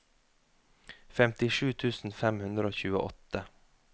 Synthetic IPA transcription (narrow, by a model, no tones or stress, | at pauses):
fɛmt̪ɪʂʉːt̪ʰʉːsn̩fɛmhʉnd̪ɾəoːçʉːə̰ʔɔ̰t̪ə